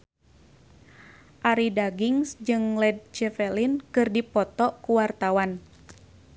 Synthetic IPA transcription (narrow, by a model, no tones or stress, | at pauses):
ʔaɾidaɡiŋsd͡ʒɨŋlɛd̚t͡ʃɛfɛlinkɨrdipɔt̪ɔkuwart̪awan